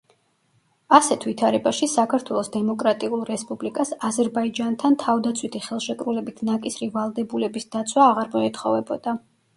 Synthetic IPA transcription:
asɛt̪ʰvit̪ʰaɾɛbaʃisakʰaɾt̪ʰwɛlˠɔsd̪ɛmɔkʼɾat̪ʼiulˠɾɛspʼublikʼasazɛɾbaid͡ʒant̪ʰant̪ʰavd̪at̪sʰwit̪ʰiχɛlˠʃɛkʼɾulɛbit̪ʰnakʼisɾivalˠd̪ɛbulɛbisd̪̥at̪sʰwaːʁaɾmɔɛt̪ʰχɔvɛbɔd̪̥a

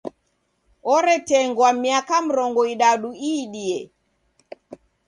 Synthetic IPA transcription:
ɔɾɛtɛŋɡwamiakam̩ɾɔŋɡɔiɗaɗuiːɗiɛ

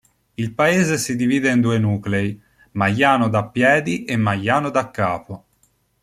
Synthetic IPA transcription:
ilpaeːzesid̪iviːd̪eind̪uːenuːklei | majːaːnod̪apːjɛːd̪iʔemːajːaːnod̪akːaːpo

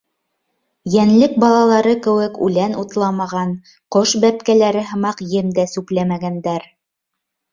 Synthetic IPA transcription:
jænlɘk̚bɑlˠɑlˠɑɾɤkɘ̆wɘkʉ̰lænut̪lˠɑmɑʁɑn | qoʃbæp̚kælæɾɘɦɤ̆mɑqjɘmd̪æsʉplæmæɡænd̪æɾ

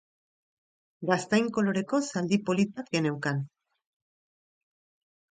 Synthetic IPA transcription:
ɡast̪ajŋko̞lo̞ɾe̞ko̞sald̪ipo̞lit̪akene̞wkan

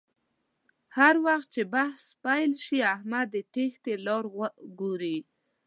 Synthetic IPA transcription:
haɾwaxt̪̚t͡ʃebahspajlʃiahmad̪ːət̪ext̪elɑɾɣəɡoɾi

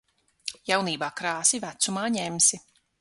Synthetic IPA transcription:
jawniːbaːkɾaːsivæt̪sumaːɲɛmsi

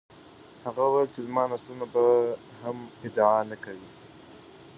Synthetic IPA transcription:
haɣawajlt͡ʃezmɑnaslunaba | hamɪd̪aanakawi

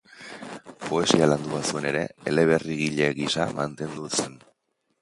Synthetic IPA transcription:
po̞e̞sialand̪uβasue̞ne̞ɾe̞ele̞β̞e̞riɣiʎe̞ɣisamant̪e̞nd̪use̞n

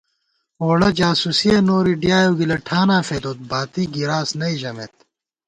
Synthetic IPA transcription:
oːɽɐd͡ʑaːsusienoːɾiɖijaːjoːɡilɐʈʰaːnaːfeːd̪oːt̪̚baːt̪iːɡiɾaːsnɐiʑɐmḛt̪̚

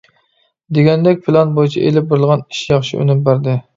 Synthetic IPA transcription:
d̪eɡʲɛnd̪ɛkʲpʰɪlɑnbojit͡ʃʰɛ̰ʔelɪp̚boɾɨlˠʁɑni̥ʃjɑχʃiʔy̰nɪmbæɾd̪ɪ

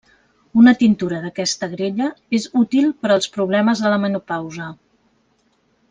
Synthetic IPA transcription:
unət̪int̪uɾəðəkɛst̪əɣɾeʎəezut̪ilˠpəɾəlˠspɾuβ̞lɛməzðələmənupawzə

